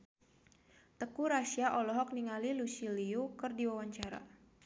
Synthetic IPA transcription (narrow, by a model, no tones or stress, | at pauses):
t̪əkuɾasiaʔɔlɔɦɔk̚niŋalilusiliukərdiwawaɲt͡ʃaɾa̰